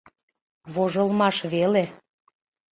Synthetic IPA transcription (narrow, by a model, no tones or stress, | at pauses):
βoʒəlmɑʃβele